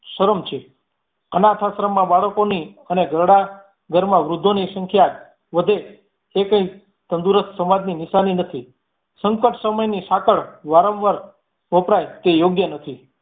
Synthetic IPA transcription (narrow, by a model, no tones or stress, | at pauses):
ʃəɾəmt͡ʃʰe | ənat̪ʰasɾəmãbaɭəkoniəneɡʱəɾɽa | ɡʱəɾmãʋɾʊd̪ʱːonisəŋkʰja | ʋəd̪ʱeː | kə̃ĩ | t̪ənd̪uɾəst̪səmad͡ʒninɪsaninət̪ʰi | səŋkəʈsəməjnisakəɭʋaɾə̃ʋʋəɾ | ʋəpɾajt̪ejoɡjənət̪ʰi